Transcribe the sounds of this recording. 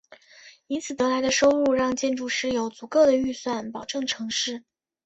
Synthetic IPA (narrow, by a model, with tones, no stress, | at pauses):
i˥nt͡sʰɹ̩˨˩t̪ɤ˧˥la˧˥ɪd̪ə˧ʂo˥ʊu˥˧ɻɑ˥˧ŋt͡ɕjɛ˥˧nʈ͡ʂu˥˧ʂɻ̩˥˩jo˧˥ʊt͡su˧˩kɤ˥˩d̪ə˩y˥˧swa˥˩npɑ˨˩ʊʈ͡ʂɤ˥˩ŋʈ͡ʂʰɤ˧˥ŋʂɻ̩˥˩